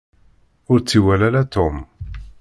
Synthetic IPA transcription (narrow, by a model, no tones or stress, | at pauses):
ʊɾt͡sːiwælælæt̪ʊm